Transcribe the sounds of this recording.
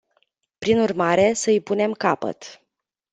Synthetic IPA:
pɾinurmaɾe̞səɨjpun̪e̞mkapə̰t̪

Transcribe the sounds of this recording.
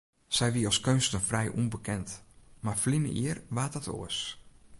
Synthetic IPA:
sɛjʋiəɔskønstəfrɛjʔṵnbəkɛntmarflinə̰ḭərʋaːtɔtʰo̰əs

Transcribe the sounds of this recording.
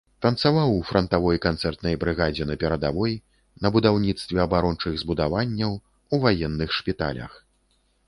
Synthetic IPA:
t̪ɐnt̪savawufɾɐnt̪avɔjkant̪sɛrt̪nɐjbɾɨɣad͡zʲɛnɐpʲɛɾɐd̪avɔj | nɐbud̪awnʲit̪st̪vʲɛɐbaɾɔnt͡ʂɨɣzbud̪avanʲːɐw | uvajɛnːɨxʂpʲit̪a̰lʲɐ̰x

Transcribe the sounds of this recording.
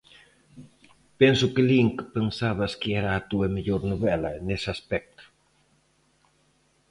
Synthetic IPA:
pensukeliŋkpensaβɐskiɛɾaːt̪uɐmeʎoɾnuβɛlɐnesaspɛk̚t̪u̥

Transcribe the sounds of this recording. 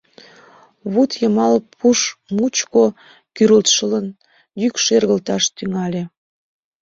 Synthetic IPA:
βut̪jəmɑlpʰuʃmut͡ɕko | kyɾəlt̪ʃələn | jykʃerɣəlt̪ɑʃt̪yŋɑlʲe

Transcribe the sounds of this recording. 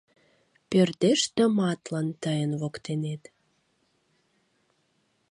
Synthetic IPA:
pørt̪eʃt̪ə̆mɑt̪lɑnt̪əjənβokt̪enet̪

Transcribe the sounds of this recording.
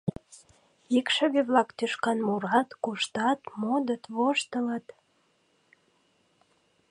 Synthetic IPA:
ikʃə̆βeβlɑkt̪yʃkɑnmuɾɑt̪kuʃt̪ɑt̪mod̪ət̪βoʃt̪ələt̪

